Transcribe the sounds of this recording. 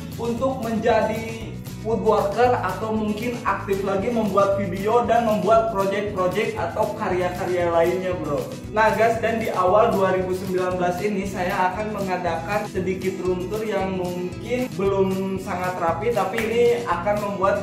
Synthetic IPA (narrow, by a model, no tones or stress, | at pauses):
unt̪ʊk̚məɲd͡ʒadi | ut̪̚bɔrk̪ərat̪awmuŋkɪnak̚t̪ɪflaɡiməmbuat̪̚fidiodanməmbuat̪̚pɾod͡ʒɛk̚t̪̚pɾod͡ʒɛk̚t̪at̪awkaɾjakaɾialaɪnɲabəɾɔ | naɡasdandiʔawalduaɾibusəmbilanbəlasinisajaːkanməŋadakansədikɪt̪runt̪ʊrjaŋmuŋkɪnbəlʊmsaŋat̪rapit̪apiːniakanməmbuat̪̚